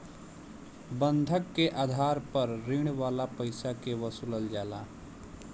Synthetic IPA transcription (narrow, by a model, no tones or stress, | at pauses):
bənd̪ʱəkːeʔaːd̪ʱaːɾpəɾɾiɽ̃waːlapəɪsakewəsuləld͡ʒaːlaː